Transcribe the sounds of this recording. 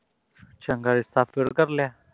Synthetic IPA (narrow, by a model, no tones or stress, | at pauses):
t͡ʃəŋɡaɭist̪afeɽkəɾlja